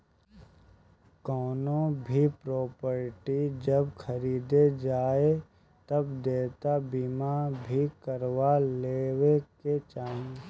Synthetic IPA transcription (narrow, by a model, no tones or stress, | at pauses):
kɔːnõbʱipɾoːpəɾʈid͡ʒɐbkʰɐɾiːd̪ed͡ʒaːe | t̪ɐbd̪eːt̪abimabʱikəɾʋaleːweket͡ʃaːĩ